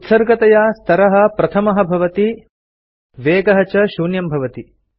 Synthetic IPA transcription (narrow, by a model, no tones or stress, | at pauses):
ut̪sɐɾɡɐt̪ɐjaːst̪ʰɐɾɐɦɐ̆pɾɐt̪ʰɐmɐɦɐbʱɐʋɐt̪i | ʋeːɡɐɦɐt͡ʃɐʃuːnjɐmbʱɐʋɐt̪i